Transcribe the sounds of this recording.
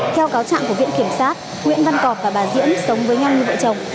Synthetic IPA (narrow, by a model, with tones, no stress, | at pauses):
t̪ʰɛ˧wkaː˨˦wt͡ɕa̰ː˧˨ŋku˧˩vwḭ˧˨əŋki˧˩əmsaː˦˥t̚ | ŋwḭ˧˨ənva˧nkɔ˨˩p̚vaː˨˩ɓaː˨˩zḭ˧˥ənsə˨˦wŋ͡mvəː˨˦jɲa˧wɲɨ˧və̰˧˨t͡ɕə˨˩wŋ͡m